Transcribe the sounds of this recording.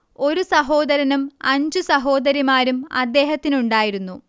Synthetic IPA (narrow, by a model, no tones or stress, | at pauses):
o̞ɾusɐɦo̞ːd̪ɐɾɐnumɐɲd͡ʑusɐɦo̞ːd̪ɐɾimaːɾumɐ̰d̪ːe̞ːɦɐt̪ːinuɳɖaːjiɾunːu